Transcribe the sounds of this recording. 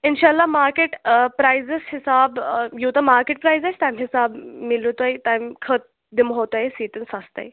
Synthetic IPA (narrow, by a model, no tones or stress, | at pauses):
inɕalːamaɾkeʈpɾajzeshisabjewt̪amaɾkeʈ̚pɾajzest̪ãmɦisabmilut̪ajt̪ajmkʰət̪̚ | d̪imɦot̪ajsiːʈənsast̪a̰j